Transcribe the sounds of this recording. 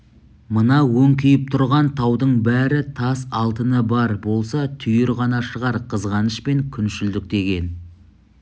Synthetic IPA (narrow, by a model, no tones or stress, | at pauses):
mənɑwɵŋkʲʰʏjɪp̚t̪ʰʊɾʁɑnt̪ʰɑwd̪əɴbæɾɪt̪ʰɑsɑlˠt̪ənəbɑɾbo̞lˠsɑt̪ʰʏjɪɾʁɑnɑʃəʁɑɾqʰəzʁɑnəʃpe̞ŋkʲʰʏnʃɪld̪ɪk̚d̪e̞ɡʲe̞n